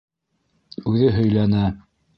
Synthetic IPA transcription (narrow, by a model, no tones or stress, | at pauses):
ʉðɘɦɵ̆jlænæ